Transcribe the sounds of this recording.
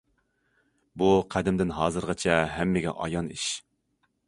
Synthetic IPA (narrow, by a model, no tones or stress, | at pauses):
buqʰæd̪ɪmd̪ɪnɦɑːzɨɾʁɑt͡ʃʰɛɦɛmːɪɡʲɛ̰ʔɑ̰jɑniʃ